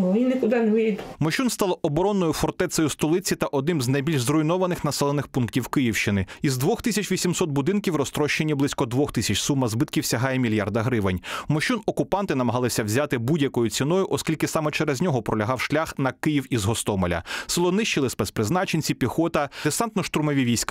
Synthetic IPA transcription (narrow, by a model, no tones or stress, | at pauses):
inɪkʊd̪ɪneʋijd̪umɔʃunst̪ɑlˠɔɔbɔɾɔnːɔjʊfɔrt̪ɛt̪sɐjʊst̪ɔlˠɪt͡sʲit̪ɐʔɔd̪nɪmznɐjbʲilʲʒzrʊjnɔʋɐnɪxnɐsɛlˠenɪxpunktʲiwkɪjiwʃt͡ʃɪnɪizd̪ʋɔxt̪ɪsʲɐt͡ʃʋʲisʲimsɔt̪̚bʊd̪ɪnkʲiwrɔst̪ɾɔʃt͡ʃenʲːiblˠɪsʲkɔd̪ʋɔxt̪ɪsʲɐt͡ʃsumːɐzbɪt̪kʲiwsʲɐɦɑjɛmʲilʲjɑrd̪ɐɦɾɪʋenʲmɔʃunɔkʊpɑnt̪ɪnɐmɐɦɑlˠɪsʲɐwzʲat̪ɪbudʲjɐkɔjʊt͡sʲinɔjʊʔɔskʲilʲkɪsɑmɛt͡ʃɛɾɛzʲnʲɔɦɔpɾɔlʲɐɦɑwʃlʲaxnɐkɪjiwizɦɔst̪ɔmɔlʲɐ̰sɪlˠɔnɪʃt͡ʃɪlˠɪspɛspɾɪznɑt͡ʃenʲt͡sʲipʲixɔt̪ɐd̪ɪsɑnt̪nɔʃt̪ʊɾmɔʋʲiʋʲijsʲk